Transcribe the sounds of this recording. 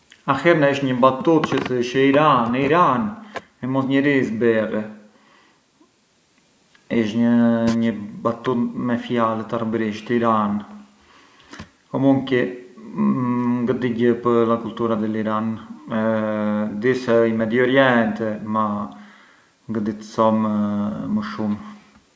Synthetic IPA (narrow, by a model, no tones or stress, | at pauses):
ahɛɾnaiʃɲəbat̪ut̪t͡ʃəθəʃəiɾaniɾan | ɛmɔsɲəɾisbɛrɛ | iʃɲəɲəbat̪ut̪mɛfjalɛt̪arəbɾiʃt̪iɾan | kɔmuŋki | ŋɡəd̪iɟəpəlakult̪uɾad̪ɛliɾanɛ | d̪isɛimɛd̪iɔɾjɛnt̪ɛma | ŋɡəd̪it̪əsɔmməʃum